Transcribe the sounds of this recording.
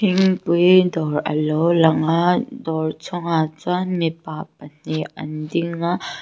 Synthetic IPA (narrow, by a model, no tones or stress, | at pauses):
iŋpujdɔɾʔɐ̰lɔlɐŋadɔɹt͡sʰɔŋat͡sanmipap̚ɐn̥iʔɐ̰ndiŋːa